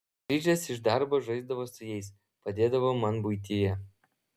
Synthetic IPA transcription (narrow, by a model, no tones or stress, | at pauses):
ɾʲiːd͡ʒʲɛsɪʃd̪ɑɾboːʒɐɪzd̪ɐʋoːsʊjɛɪs | pɐd̪ʲeːd̪ɐʋoːmɐnbʊjt̪ʲɪjɛ